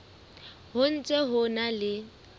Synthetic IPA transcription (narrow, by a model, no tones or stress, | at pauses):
hʊn̩t͡sʼɛɦʊnalɪ